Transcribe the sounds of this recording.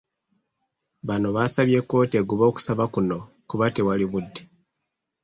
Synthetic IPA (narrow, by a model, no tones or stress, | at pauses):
βano̞βasaβje̞kːo̞ːteɡuβo̞ːku̥saβakuno̞ | kuβatewaliβudːi̥